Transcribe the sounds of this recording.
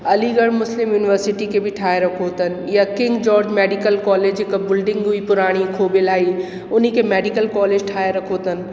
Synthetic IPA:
ɐliɡəɽmʊslɪmjuːniʋəɾsɪʈikebʱiʈʰaːeɾɐkʰot̪ən̆jakɪ̃ŋɡd͡ʒɔːɾd͡ʒmeːɖɪkəlkɔːleːd͡ʒɪkəbɪlɖɪ̃ŋɡuipʊɾaːɽ̃ikʰoːbɪlaːi | ʊnikemeːɖikəlkɔːleːd͡ʒʈʰaːeɾɐkʰot̪ən̆

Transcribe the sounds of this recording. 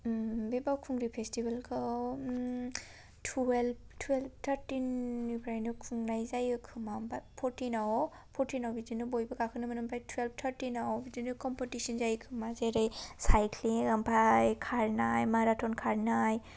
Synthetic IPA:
bebawkʰuŋɾipʰestibalkʰɯ | tʰɛlb̚tʰwelb̚tʰaɾtinipʰɾajnɯkʰuŋnajzajɯkʰɯmambapʰɔɾtʰinawɔ | pʰɔtʰinawbidinɯbojbɯkakʰɯnɯmanɯmpʰajtʰuwelb̚tʰaɾtinawɔbidinɯkɔmpɔtisɔnzajkʰɯmazeɾɯjsajtʰliampʰajkʰaɹnajmaɾatʰɔnkʰaɹnaj

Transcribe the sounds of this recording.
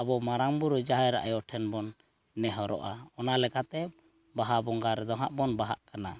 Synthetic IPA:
abɔmaɾaŋbuɾɔd͡ʒaɦjɾa̰ʔajɔʈʰɛnbɔnː | ɛɦɔɾɔ̰ʔa̰ɔnalɛkat̪ɛ | baɦabɔŋɡaɾɛd̪ɔɦaʔbɔnbaɦa̰ʔkana

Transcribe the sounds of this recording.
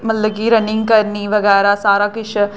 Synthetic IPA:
məlːəɡiːɾənɪ̃ŋɡkəɾniːʋəɡɛːɾaːsaːɾaːkɪt͡ʃʰ

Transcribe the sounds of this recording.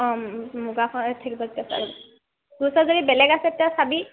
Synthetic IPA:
muɡakʰɔtʰakibaztasa̰k | ɡusɔzodibɛlɛɡasɛtijasabi

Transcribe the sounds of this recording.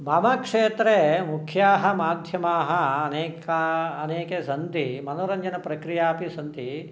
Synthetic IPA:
mɐmɐkʂeːt̪ɾemukʰjaːɦɐmaːd̪ʱjɐmaːɦɐːneːkɐɐneːkesɐnt̪imɐnoːɾɐɲd͡ʒɐnɐpɾɐkɾijaːpisɐnt̪i

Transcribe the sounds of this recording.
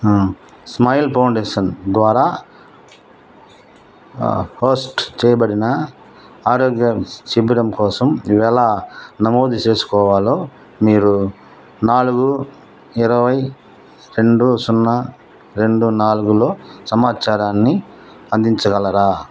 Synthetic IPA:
smɐjlpɐwɳɖeːʂɐnd̪ʋaːɾaː | hoːsʈt͡ʃɛːjɐbɐɽinɐ | aːɾoːɡjɐt͡ʃibiɽɐmkɔːsɐmʋɛlaːnɐmo̞ːd̪it͡ʃe̞ːsu̥kɔːʋaːlo̞ː | miːɾu | naːluɡu | iɾɐʋɐj | ɾe̞ɳɖusunːɐ | ɾe̞ɳɖunaːluɡulo̞ːsɐmaːt͡ʃaːɾaːnːi | ɐnd̪iɲt͡ʃɐɡɐlɐɾaː

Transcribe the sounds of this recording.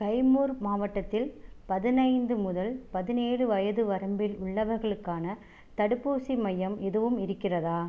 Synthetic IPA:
kɐɪmuːɾmaːʋɐʈːɐt̪ːɪlpɐðɪnɐɪnd̪ɯmʊðɐlpɐðɪneːɻɯʋɐjɐðɯʋɐɾɐmbɪlʊɭːɐʋɐɾɣɐɭɯkːaːnɐ | t̪ɐɽɯpːuːsimɐjːɐmɛðɯʋɯmɪɾɯkːɪrɐðaː

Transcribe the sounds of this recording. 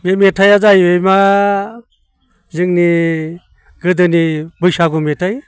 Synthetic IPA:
memetʰajazajejma | zɯŋni | ɡɯdɯnibɯjsaɡumetʰaj

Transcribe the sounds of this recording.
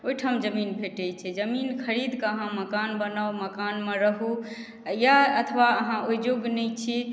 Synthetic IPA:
oiʈʰamd͡ʒəminbʰʱeʈejt͡ʃʰɛd͡ʒəminkʰəɾid̪kəəɦãməkanbənawməkanmeɾəɦu | jaət̪ʰʋaəɦãojd͡ʒoɡnɛjt͡ʃʰi

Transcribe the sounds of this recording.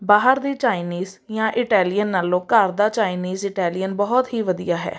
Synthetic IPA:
baːɦəɾd̪iːt͡ʃaːɪniːz | jãːʔɪʈɛːlijənːaːlõːkəɾd̪aːt͡ʃaːɪniːzɪʈɛːlɪjənbɔːɔt̪ɦiːʋəd̪ijaːɦɛ̰ː

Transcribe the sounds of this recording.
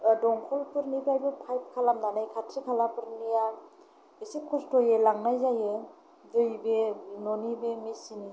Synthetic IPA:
dɔŋkʰɔlpɯɾnibajbepʰajp̚kʰalamnanajkʰatʰɾikʰalapɯɾnija | isikʰɔstɔjɯlaŋnajzajɯ | dɯjbenɔnibemisini

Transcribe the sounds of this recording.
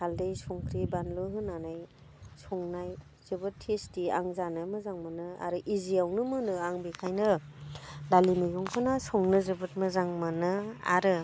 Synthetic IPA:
haldejsuŋkʰɾibanlɯɦɯnːanaj | sɔŋnaj | z̥ɯbɯtʰːestia̰ŋzanamɯzaŋmanɯa̰ɾɯʔiziawnɯmɯnɯaŋbikʰajnɯ | dalimiɡuŋkʰɯnasɔŋnɯzɯbɯt̚mɯzaŋmanɯa̰ɾɯ

